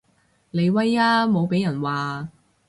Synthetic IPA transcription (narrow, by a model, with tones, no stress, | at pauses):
le˨˧jwɐ˥jaː˥mo˨˧wpe˨˥jɐ˨˩nwaː˨